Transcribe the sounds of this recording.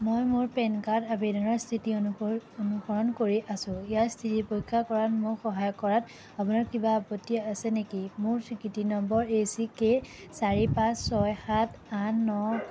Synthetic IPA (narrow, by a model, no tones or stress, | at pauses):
mojmʊɹpɛnkatabedɔnɔɹstʰitionuxɔɹɔnkoɹiʔasʊ̃ijastʰitipojkʰːakɔɹatmʊkxɔɦajɔkɔɹat | apunaɹkibaːpɔtːijaasɛnekimʊɹkʰɹikitinɔmbɔɹesikesaɹipãsːɔjxatanːɔ